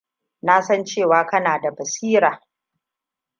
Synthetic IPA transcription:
na˦sɐ˦nt͡ʃeː˦˨waː˦kɐ˦naː˨da˨bɐ˨siː˦ɾaː˨

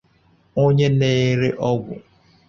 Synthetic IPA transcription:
o˦ɲe˦neː˦ɾe˦ʔɔ˦ɡʷʊ̰˨

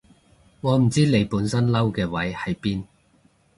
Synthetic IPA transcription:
ŋɔː˨˧m̩˨˩t͡siː˥le˨˧jpuː˨˥nsɐ˥nlɐ˥wkɛː˧wɐ˨˥jhɐ˨jpiː˥n

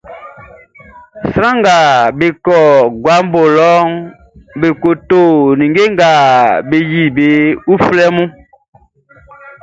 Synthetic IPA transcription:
sɾã˦ŋɡa˨be˨kɔ˨ɡwa˨˦m˦bo˨lɔ˦ŋ | be˨ko˨to˦˨nĩ˨ŋɡe˦ŋɡa˨be˨ji˦˨be˨˦u˦flɛ˦mũ˦

